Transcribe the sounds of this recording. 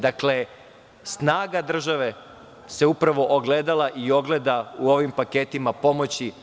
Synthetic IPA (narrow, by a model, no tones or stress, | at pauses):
d̪akle̞ | snaːɡad̪r̩ʒaʋe̞ | se̞upɾaʋo̞ʔoɡled̪alˠaʔio̞ɡle̞d̪auo̞ʋimpake̞t̪imapo̞mo̞t͡ɕi